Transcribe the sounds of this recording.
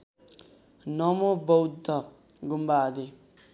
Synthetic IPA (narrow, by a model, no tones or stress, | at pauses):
nɔmobowd̪ɔ | ɡumbaːd̪e